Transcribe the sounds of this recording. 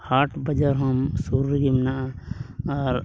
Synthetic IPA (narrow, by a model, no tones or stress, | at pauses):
haːʈʰbəd͡ʒəɾɦəmsuɾɡimnaʔ | ɔɾ